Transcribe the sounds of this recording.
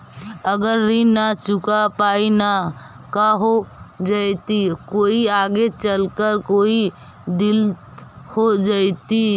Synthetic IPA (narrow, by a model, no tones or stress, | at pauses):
əɡəɾːinat͡ʃukapaina | kaɦod͡ʒəjt̪ikoiaɡet͡ʃəlkəɾkoi | ɖilt̪ | hod͡ʒəjt̪i